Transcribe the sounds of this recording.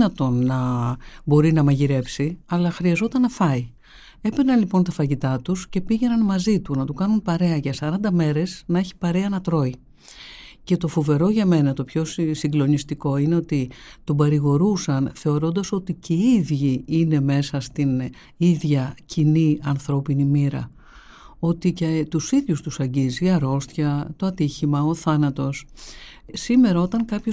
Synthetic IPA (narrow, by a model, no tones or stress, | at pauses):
nɐt̪o̞nːɐbo̞ɾinɐmɐʝiɾe̞psiɐlɐxɾiɐzo̞t̪ɐnːɐfɐi | e̞penɐnlipo̞nt̪ɐfɐʝit̪ɐt̪usce̞piʝe̞nɐnmɐzit̪unɐt̪ukɐnunpɐɾe̞ɐʝɐsɐɾɐnd̪ɐme̞ɾe̞snɐe̞çi̥pɐɾe̞ɐnɐt̪ɾo̞i | ce̞t̪o̞fove̞ɾo̞ʝɐme̞nɐt̪o̞pço̞ssiŋɡlo̞nist̪iko̞ine̞o̞t̪it̪obɐɾiɣo̞ɾusɐnθe̞o̞ɾo̞nd̪ɐso̞t̪iceiðʝiine̞me̞sɐst̪in | iðʝɐciniɐnθɾo̞pinimiɾɐ̰ | o̞t̪icet̪usiðʝust̪usɐɲɟiziɐɾo̞st̪çɐt̪o̞ɐt̪içimɐoθɐnɐt̪o̞s | sime̞ɾɐo̞t̪ɐŋkɐpço